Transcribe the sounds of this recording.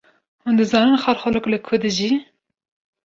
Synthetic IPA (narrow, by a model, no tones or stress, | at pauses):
hund̪ɨzɑːnɨnxɑɾxɔloklɨkʰʊd̪ɨʒi